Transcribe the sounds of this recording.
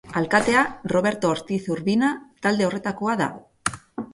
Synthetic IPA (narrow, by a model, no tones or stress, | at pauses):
alkat̪e̞aro̞β̞e̞ɾt̪o̞ɾt̪iθuɾβinat̪ald̪e̞o̞re̞t̪ako̞aða̰